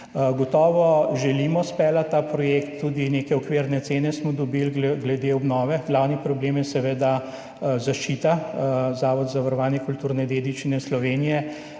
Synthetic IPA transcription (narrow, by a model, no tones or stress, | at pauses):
ɡɔt̪ɔːʋɔʒɛlimɔspɛlat̪ːaːpɾɔjeːkt̪ːuːd̪ineːkɛɔkʋeːɾnɛt̪seːnɛsmɔd̪ɔbilɡlɛd̪eːɔbnɔːʋɛɡlawnipɾɔbleːmjɛsɛʋeːd̪a | zaʃt͡ʃiːt̪azaːʋɔd̪zaʋaɾɔʋaːnjɛkult̪uːɾnɛd̪eːd̪it͡ʃinɛslɔʋeːnijɛ